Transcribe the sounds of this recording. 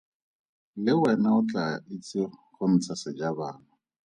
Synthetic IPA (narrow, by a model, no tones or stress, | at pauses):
lɪwɛnaʊt͡ɬʼa̰ɪt͡sʼɪχʊn̩t͡sʰasɪd͡ʒabaːnʊ